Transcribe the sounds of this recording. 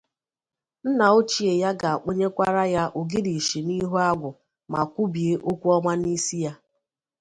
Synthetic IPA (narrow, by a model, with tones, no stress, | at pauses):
n̩˦na˨o˦t͡ʃi˨e˨ja˦ɡa˨ʔo˦ɲe˦kʷa˦ɾa˦ja˦ʔo˨ɡɪ˦di˨ʃi˨ni˦ɦu˦a˦ɡʷʊ˨ | ma˨kʷu˦bi˨e˦ʔo˦kʷu˦ɔ˦ŋʷa˦ni˦si˦ja˦